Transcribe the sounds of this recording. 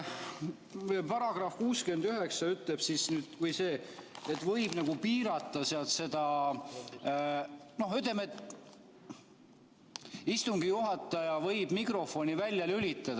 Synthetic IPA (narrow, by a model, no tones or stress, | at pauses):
pɑɾɑɡ̥rɑfkuːskyend̪̥yɦe̞ksɑyt̪leb̥sisnyːd̪̥vɤjse̞ːet̪ːvɤ̞jb̥nɑɡ̥upiːɾɑt̪ːˑɑseɑlt̪se̞d̪ɑ | no̞hyt̪ˑːeme̞t̪ːˑ | ist̪uŋɡijuɦɑt̪ːˑɑjɑvɤ̞jb̥mikro̞fo̞nivælʲjɑlylʲit̪ːˑɑd̪ɑ